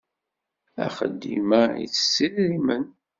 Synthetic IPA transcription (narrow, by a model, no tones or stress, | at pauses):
æ̰χə̰d̪ːimæḭθə̥sːiɾːimən